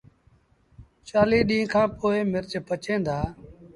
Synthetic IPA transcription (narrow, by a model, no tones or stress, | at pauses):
t͡ʃaːliːɗĩːkʰãːpoːɪːmɪɾt͡ʃpət͡ʃẽːnd̪aː